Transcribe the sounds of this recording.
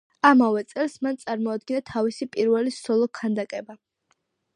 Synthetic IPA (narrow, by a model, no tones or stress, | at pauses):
amavɛt̪sʼɛlˠsmant̪sʼaɾmɔad̪̚ɡinat̪ʰavisipʼiɾvɛlisɔlˠɔkʰand̪akʼɛba